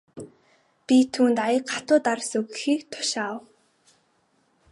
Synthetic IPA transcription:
pʲit̪ʰuːnt̪ajə̆kɢat̪ʊːt̪aɾsɵɣɘ̆xiːkt̪ʰʊ̥ʃaw

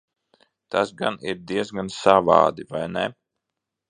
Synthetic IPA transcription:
t̪asɡaniɾd̪iɛzɡansava̰ːd̪ivajnɛ

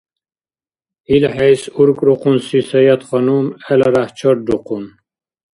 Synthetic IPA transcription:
ilħɛjsuɾkʼɾuqʰunsisɛjat̪χɔnumɛlaɾaht͡ʃʰɔɾd̪uqʰun

